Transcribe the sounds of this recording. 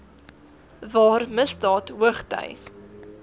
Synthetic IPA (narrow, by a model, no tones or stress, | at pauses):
vɑːrməsdɑːtɦuəχtœ̰jf